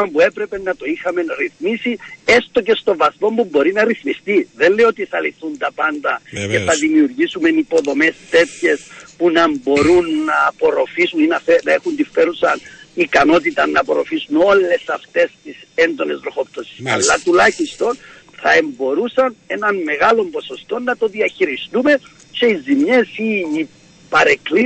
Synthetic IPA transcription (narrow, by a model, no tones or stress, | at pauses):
ɐmpue̞pɾepe̞nːɐt̪o̞ixɐme̞nɾiθmisie̞st̪o̞ce̞st̪o̞vɐsmo̞mbumbo̞ɾinɐɾiθmist̪iðe̞nleiot̪iθɐliθunt̪ɐpɐnd̪ɐce̞θɐðimiuɾʝisume̞nipo̞ðo̞me̞st̪e̞t̪çe̞spunɐmbo̞ɾunːɐːpo̞ɾo̞fisuninɐθenɐexunt̪ifːe̞ɾusɐnikɐno̞t̪̬it̪ɐnːɐpo̞ɾo̞̰fisuno̞lːe̞sɐft̪e̞st̪ise̞nd̪o̞ne̞zðɾo̞xo̞p̚t̪osi̥sɐ̰lːɐt̪ulɐçist̪o̞n | θɐe̞mbo̞ɾusɐne̞nɐnme̞ɣalo̞mbo̞so̞st̪o̞nːɐt̪o̞ðiɐçiɾist̪ume̞ | t͡ʃe̞izimɲe̞siː | pɐɾekli